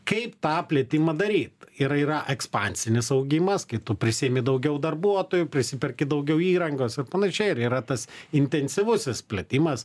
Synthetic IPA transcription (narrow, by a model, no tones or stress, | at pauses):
kɐɪpt̪ɑːpʲlʲiɛt̪ʲɪmɐd̪ɐɾʲiːt̪iɾiːɾɐʔɛkspɑːnʲsʲɪnʲɪsɐʊɡʲɪmɐskɐɪt̪ʊpʲɾʲɪsʲieːmʲɪd̪ɐʊɡʲɛʊd̪ɐrbuɔt̪oːjʊpʲɾʲɪsʲɪpʲɛrʲkʲɪd̪ɐʊɡʲɛʊiːɾɐŋɡoːsɪrpɐnɐʃʲɛɪɪɾiːɾɐt̪ɐsɪnʲt̪ʲɛnʲsʲɪʋʊsʲɪspʲlʲeːt̪ʲɪmɐs